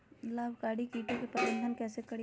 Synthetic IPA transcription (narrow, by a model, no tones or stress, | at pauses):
laːbʱkaːɽikiːʈõkepɾəbənd̪ʰʱənkɛːsekɐɽ